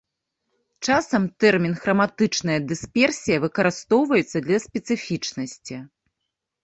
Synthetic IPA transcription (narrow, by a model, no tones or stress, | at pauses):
t͡ʂasɐmt̪ɛrmʲinɣɾɐmat̪ɨt͡ʂnɐjɐd̪ɨspʲɛrsʲijɐvɨkɐɾɨst̪ɔwvɐjɛt̪sːɐd̪lʲɐsʲpʲɛt̪sɨfʲit͡ʂnɐsʲt͡sʲi